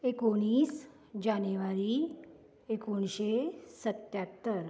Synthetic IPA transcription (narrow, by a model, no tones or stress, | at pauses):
ekoɽ̃iːs | d͡ʑanuʋaɾi | ekoɳɕesət̪jat̪ːəɾ